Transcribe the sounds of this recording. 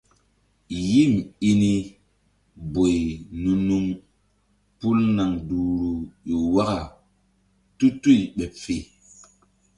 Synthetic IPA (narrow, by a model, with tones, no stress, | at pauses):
ji˦˨mi˦ni˦ | bo˨jnu˨nu˦ŋ | pu˦lna˨ŋdu˨ɾu˨jo˨wa˦ka˨ | tu˦tu˦jɓɛ˨pfe˨